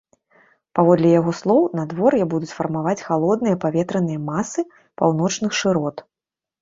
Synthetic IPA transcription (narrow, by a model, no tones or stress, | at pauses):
pavɔd̪lʲɛjaɣɔslˠɔwnad̪vɔrjɛbud̪ut͡sʲfɐrmavat͡sʲxalˠɔd̪nɨjɐpavʲɛt̪ɾɐnɨjɐmasɨ | pawn̪ɔt͡ʂnɨxʂɨɾɔt̪